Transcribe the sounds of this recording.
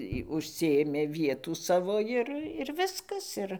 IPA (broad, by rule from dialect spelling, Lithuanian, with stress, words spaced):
jɪ ʊʃʲˈsʲɪeːmʲeː ˈʋʲiɛtuː ˈsɑːʋoː ˈɪr ɪr ˈʋʲɪskɐs ˈɪr